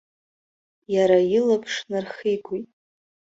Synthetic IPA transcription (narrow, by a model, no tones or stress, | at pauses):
jaɾajɪlapʰʂnarχijɡʷitʼ